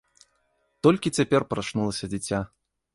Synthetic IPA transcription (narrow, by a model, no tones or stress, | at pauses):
t̪ɔlʲkʲit͡sʲapʲɛrpɾaʂnulˠɐsʲɐd͡zʲit͡sʲa